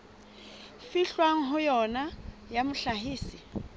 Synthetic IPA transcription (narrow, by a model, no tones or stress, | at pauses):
fiɬwaŋ̩ɦʊjɔnajamʊɬaɦiːsi